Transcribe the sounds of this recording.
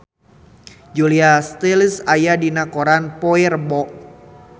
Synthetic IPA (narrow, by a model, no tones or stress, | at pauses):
d͡ʒuliast̪ilsajadinakoɾanpɔirbɔʔ